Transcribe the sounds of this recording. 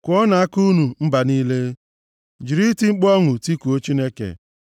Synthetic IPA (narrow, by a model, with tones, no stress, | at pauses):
kʷɔ˦na˨a˦ku˦nu˨m̩˦ba˨niː˦le˦ | d͡ʒi˨ɾi˦ti˦ŋ͡m̩˦k͡pɔ˦ŋʊ˨ti˦ku˨o˦t͡ʃi˦ne˦kḛ˨